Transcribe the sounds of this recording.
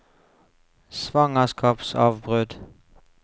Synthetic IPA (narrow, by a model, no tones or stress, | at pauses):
sʋɑŋəskɑːpsɑ̰ːʋbʁʉd̪